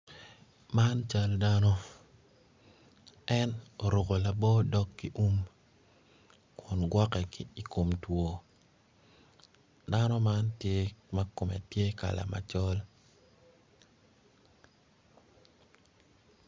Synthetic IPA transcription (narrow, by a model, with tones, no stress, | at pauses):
ma˦nt͡ʃa˦lda˦nɔ˦ | ɛ˦no˨ɾo˨ko˨la˨bɔ˦dɔ˦kːi˨ʔu˦m | kʰʊ˨nɡwɔ˦kɛ˨ki˨kʰo˨mtwo˨ | da˦nɔ˦ma˦ntje˦ma˦ko˨mɛ̰˨tje˦ka̰˨la̰˨ma̰˨t͡ʃɔ˦l